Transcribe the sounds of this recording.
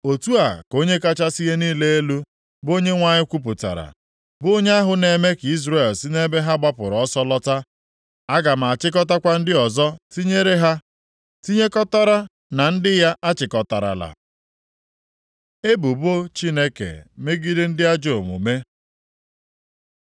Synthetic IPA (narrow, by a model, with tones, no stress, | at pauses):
o˨tu˦a˨ko˦ɲe˦ka˦t͡ʃa˦si˦ɣe˦niː˦le˦e˦lu˦ | bo˦ɲe˦ŋʷa˦ɲɪ˦kʷu˦p̬ʊ˨ta̰˨ɾa̰˨ | bo˦ɲe˦a˦ɦʊ˨ne˨me˦ki˦zɾe˨lsi˦ne˦be˦ɦa˦ɡ͡ba˦pʊ˨ɾɔ˦sɔ˦lɔ˦ta˦ | a˦ɡa˨m̩˨a˨t͡ʃɪ˦k̬ɔ˦ta˦kʷa˦n̩˦dɪ˦ɔ˨zɔ˦ti˦ɲe˦ɾe˦ɦa˦ | ti˦ɲe˦kɔ˦ta˦ɾa˦ | na˨n̩˦dɪ˦ja˦ʔa˦t͡ʃɪ˨kɔ˨ta˨ɾa̰˨la̰˨ | e˦bu˨bo˦t͡ʃi˦ne˦kḛ˨me˦ɡi˦dɪ˦n̩˦dɪ˦a˦d͡ʒo˦˨m˨ṵ˨me˦